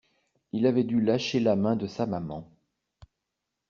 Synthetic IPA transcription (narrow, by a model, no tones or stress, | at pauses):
ilavɛd̪ylaʃelamɛ̃d̪əsamamɑ̃